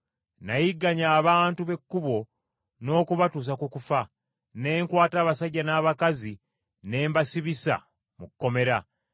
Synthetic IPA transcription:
najiɡːaɲaːβaːntuβe̞kːuβo̞ | no̞ːkuβatuːs̬akukufa | ne̞ːŋkwaːtaːβasaɟːanaːβakazi | ne̞ːmbasiβisa̰ | mukːo̞me̞ɾa

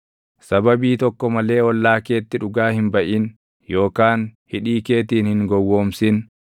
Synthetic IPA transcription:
sɐbɐbiːt̪ɔkːɔmɐle̞ːɔlːaːke̞ːt̪ːɪᶑʊɡaːhɪmbɐʔin | jo̞ːkaːnhɪᶑiːke̞ːt̪iːnhɪŋɡɔwːo̞ːmsɪn

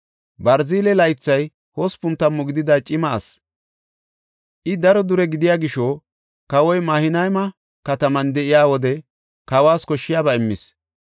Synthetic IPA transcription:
bɐɾziːlɛlɐjt͡sːɐj | hospʊnt̪ːɐmːɔɡɪd̪ɪd̪ɐt͡ʃʼɪmɐːs | ʔɪd̪ɐɾɔd̪ʊɾɛɡɪd̪ɪjaːɡɪʃo | kɐwɔjmɐːhɪnɐjmɐ | kɐt̪ɐmɐnd̪ɛʔɪjaːwɔd̪ɛ | kɐwaːskɔʃːɪjaːbɐɪmːɪs

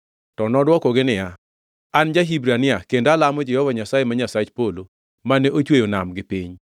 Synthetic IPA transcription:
tɔnɔdwɔkɔɡɪnɪja | and͡ʒaɦibɾanɪakendalamɔd͡ʒɛhɔvaɲasajemaɲasat͡ʃpolo | manɛʔot͡ʃwejonamɡɪpiɲ

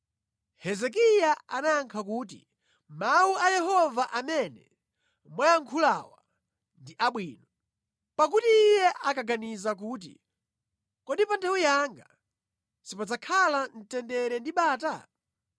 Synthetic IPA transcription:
hɛzɛk̬ijaanaːŋkʰak̬uːt̬ḭ | mauajɛɦɔvaʔamɛnɛ̰ | mwajaŋkʰulawa | ndiʔaɓwiːnɔ | pak̬utiːjɛʔakaɡanizak̬uːt̬ḭ | kɔɗipandawijaŋɡa | sipad͡zakʰalan̩tɛndɛɾɛndiɓaːta

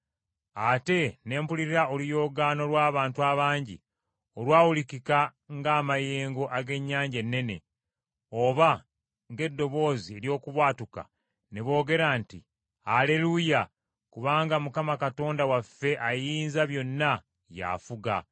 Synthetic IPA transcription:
ate̞ne̞ːmpuliɾiɾaolijo̞ːɡaːno̞lwaːβaːntuaβaːɲɟḭ | olwaːwulikika | ŋɡaːmaje̞ːŋɡo̞ʔaɡe̞ɲːaːɲɟe̞nːe̞ne̞̰ | o̞βa | ŋɡe̞dːo̞βo̞ːzie̞ljo̞ːkuβwaːtuka̰ | neβo̞ːɡe̞ɾaːnti | ale̞luja | kuβaːŋɡamukamakato̞ːndawafːe̞ʔajiːnzaβjo̞nːa | ja̰fuɡa̰

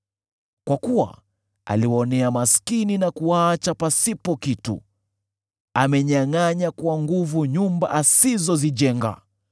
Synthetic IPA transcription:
kwakuwa̰ | a̰liwɔnɛamaskininakuat͡ʃapasipɔkitṵ | amɛɲaŋaɲakuwaŋɡuvuɲumba̰ʔasizɔziʄɛŋɡa̰

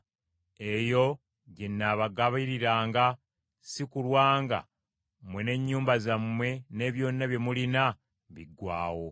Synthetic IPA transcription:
e̞jo̞ | ɟenːaːβaɡaβiɾiɾaːŋɡa | sikulwaːŋɡa̰ | mwene̞ɲːuːmbazamːwe̞ne̞ːβjo̞ːnːaβje̞mulina | βiɡwa̰ːwo̞

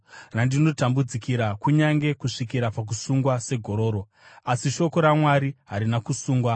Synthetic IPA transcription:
randino̞tambud͡zikiɾakuɲaŋɡe̞kuʂikiɾapak̬usuŋɡwase̞ɡʱo̞ɾo̞ːɾo | asiʃo̞ko̞ɾamwaɾiɦaɾinakusuːŋɡwa

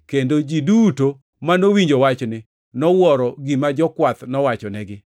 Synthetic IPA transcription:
kendod͡ʒiduto | manowiɲd͡ʒowat͡ʃnɪ | nɔwɔɾɔɡimad͡ʒɔkwat̪nɔwat͡ʃɔnɛɡɪ

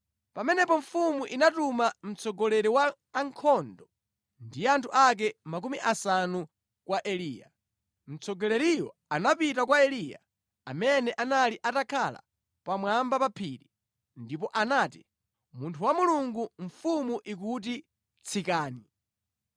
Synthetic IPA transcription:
pamɛnɛpɔɱ̩fumuʔinatumam̩t͡sʰɔɡɔlɛɾiwaː | ŋkʰɔndɔ | ndijantʰuʔak̬ɛmak̬umiʔasanu | kwaʔɛliːja̰ | m̩t͡sʰɔɡɔlɛɾijɔ̰ | anapitakwaɛlija̰ | a̰mɛnɛʔanaliʔatakʰala̰ | pamwambapapʰiːɾi | ndipɔʔanaːti | muntʰuwamuluŋɡuɱfumuʔik̬ut̬i | t͡sʰikaːni

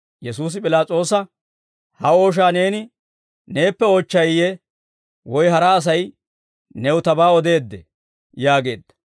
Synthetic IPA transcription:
jɛsuːs̬ɪpʼɪlaːt͡sʼo̞ːsɐ | hɐo̞ːʃ̬aːne̞ːnɪ | ne̞ːpːɛoːt͡ʃːɐjjɛ | wɔjhɐɾɐːs̬ɐj | nɛwʊt̪ɐbaːɔd̪e̞ːd̪ːɛ | jaːɡe̞̰ːd̪ːɐ̥

